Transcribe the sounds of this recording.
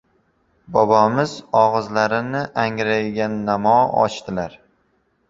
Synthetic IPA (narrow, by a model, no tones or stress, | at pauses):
bɒbɒmɪzɒʁɨzlaɾɪnɪʔaŋɾajɡʲanːamɒɒ̰t͡ʃt̪ʰɪlaɾ